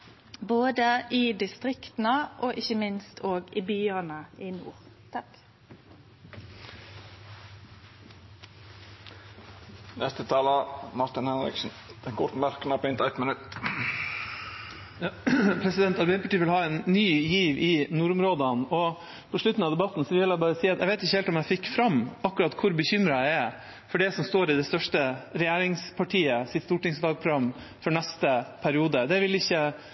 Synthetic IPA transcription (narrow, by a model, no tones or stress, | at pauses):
boːd̪əɪd̪ɪst̪ʁɪkt̪n̩əʔɔːʔɪçəmɪnst̪ʰoːɡɪbyːənəʔɪnṵːʁ | t̪ʰɑk | nɛst̪ət̪ʰɑːləmɑɾt̪ɪnhɛnɾɪ̰ksn̩d̪̥ɛnkʰʊɾt̪mœɾkənɑpɪnt̪æt̪mɪnʉt̪ː | pʰɾɛsɪd̪ɛnt̪ɑlbɛnpʰɑʈiːʋɪlhɑːɛnːyːjiːʋɪnuɾʊmɾoːd̪ənɔ | pʰɔʂɭʉt̪n̩ɑʋd̪ɛbɑt̪ːnsɔʋɪlæbɑːɾəsiːɑt̪jæɪɡʋeɛɪt̪ɪçːəhɛlt̪ɔmjæɪfɪkːfɾɑmːɑkːʉɾɑt̪kʰʊɾbəçʏmɾəæɪɛ | fɔɖɛsɔmst̪oːɾɪd̪ɛst̪œʂʈəɾɛjæːɾɪŋspʰɑʈʰiːəsɪt̪st̪uːʈɪŋsʋɑlɡ̚pʰɾʊɡɑmː | fɔɾɳɛst̪əpʰæɾɪuːd̪əd̪ɛʋɪlɪçːə